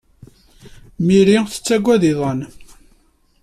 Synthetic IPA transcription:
miɾiθə̥t͡sːæɡʷːæðiðˤən

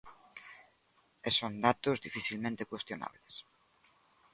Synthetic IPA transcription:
esõnd̪at̪ozðifiθilmẽnt̪ekwest̪jona̰βles

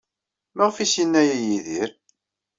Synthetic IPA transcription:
məʁfisinːæjijiðiɾ

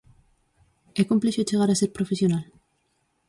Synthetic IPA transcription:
ekumpleʃot͡ʃeɣ̞aɾaseɾpɾofesjonal

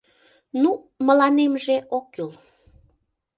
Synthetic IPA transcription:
nu | məlɑnemʒeʔokːyl

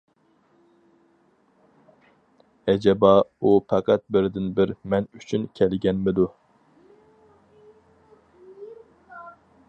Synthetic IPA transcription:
ɛd͡ʒɛbɑupʰɛqʰæt̪̚bɪɾd̪ɪnbɪɾmɛnyt͡ʃʰynkʲʰɛlɡʲɛnmɪd̪u

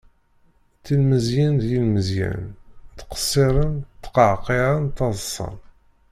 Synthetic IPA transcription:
t̪ːilməzjænd̪jilməzjæ̰nt̪qə̥sˤːɪɾˤənt̪ːqəʕqːeɾˤənt̪ːɑðˤsˤːɑ̰n

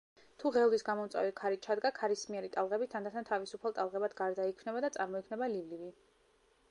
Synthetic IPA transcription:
t̪ʰuʁɛlˠwisɡamɔmt̪sʼwa̰vikʰaɾitt͡ʃʰad̪ɡakʰaɾismiɛɾit̪ʼalˠʁɛbit̪ʰand̪at̪ʰant̪ʰavisupʰalˠt̪ʼalˠʁɛbad̪ɡaɾd̪aikʰmnɛbad̪at̪sʼaɾmɔikʰnɛbalivlivi

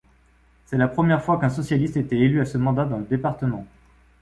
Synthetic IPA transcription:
sɛlapχəmjɛʁfwakɛ̃sɔsjalist̪et̪ɛelyasəmɑ̃d̪ad̪ɑ̃ləd̪epaʁt̪əmɑ̃

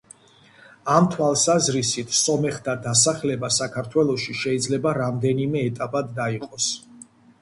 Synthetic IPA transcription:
amt̪ʰwalˠsazɾisit̪ʰsɔmɛχd̪ʰad̪as̬aχlɛbasakʰaɾt̪ʰwɛlˠɔʃiʃɛid̪zlɛbaɾamd̪ɛnimɛːt̪ʼapʼad̪ːaiqʼɔs

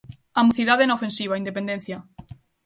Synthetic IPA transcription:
amuθiðaðɛnaofensiβaind̪epend̪en̟θja

